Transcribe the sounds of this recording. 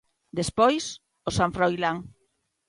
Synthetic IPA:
d̪espojs | osãɱfɾojlaŋ

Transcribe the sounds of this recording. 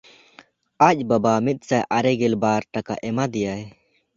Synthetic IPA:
ac̚ˀbabamit̪̚ˀsajʔaɾɛɡɛlbaɾʈaka̰ʔɛmad̪ɛjaɛ

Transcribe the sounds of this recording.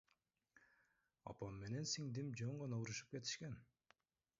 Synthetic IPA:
ɑ̰pɑmːe̞ne̞nsiŋd̪imd͡ʒøɴʁɑnɑuɾuʃɯ̥p̚ke̞t̪i̥ʃke̞n

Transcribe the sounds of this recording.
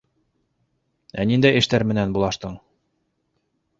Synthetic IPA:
ænind̪æjɘ̆ʃt̪æɾmɘ̆nænbulˠɑʃt̪ɤɴ

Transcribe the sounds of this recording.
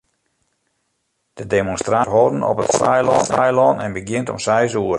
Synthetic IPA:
d̥ədemonstraɦoːdən̩ɔ̰pətsɛ̰jlɔɛjlɔːnɛ̰nbəɡjɪntɔ̰msɛjsuər

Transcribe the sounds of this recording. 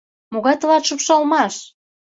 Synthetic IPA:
moɣɑt̪əlɑt̪ʃupʃɑlmɑʃ

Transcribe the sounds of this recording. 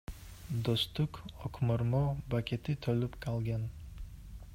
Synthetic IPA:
d̪ost̪ʊkʰɔkʰʲmʊɾmɔbakʲʰet̪ʰɪt̪ʰolʊpkʰalˠɡʲan

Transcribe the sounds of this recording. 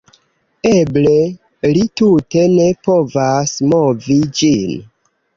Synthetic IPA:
eble | litute̞ne̞po̞vasmo̞vid͡ʒin

